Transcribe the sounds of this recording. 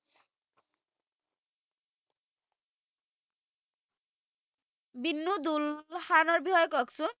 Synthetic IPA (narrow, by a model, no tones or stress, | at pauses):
binːud̪ulxanɔɹbihɔjɔkɔksun